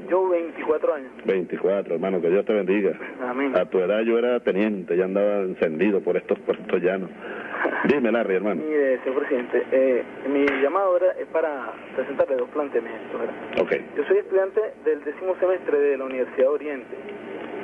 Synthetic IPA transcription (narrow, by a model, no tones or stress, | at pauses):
d͡ʒoβejnt̪ikwat̪ɾoaɲosbe̞jnt̪ikwat̪ɾoeɾmãnoke̞ðjo̞st̪e̞βe̞nd̪iɣaamẽŋat̪ue̞ðaðʝo̞e̞ɾat̪e̞njent̪e̞ʝaand̪aβaense̞nd̪iðopoɾest̪ospoɾest̪ozʝanosd̪imelarieɾmãnoieseɲoɾpɾesiðent̪eʔe | miʝamaðoeɾaʔe̞spaɾa | pɾesent̪aɾleðosplant̪eamjent̪oseɾao̰kḛjd͡ʒo̞so̞jest̪uðjant̪eðeld̪esimo̞semest̪ɾeðelauniβeɾsiðaðeoɾjent̪e